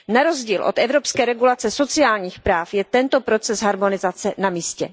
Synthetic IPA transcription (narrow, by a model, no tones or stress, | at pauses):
naɾo̞zɟiːlʔot̪ɛvɾo̞pskɛːɾɛɡulat͡sɛso̞t͡sɪaːlɲiːxpɾaːfjɛt̪ɛnt̪o̞pɾo̞t͡sɛsɦaɾmo̞nɪzat͡sɛnamiːscɛ̰